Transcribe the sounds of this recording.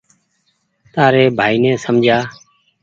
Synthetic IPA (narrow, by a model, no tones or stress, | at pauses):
t̪aːɾeːbʱaːiːnɛ̃ːsəmd͡ʒʱaː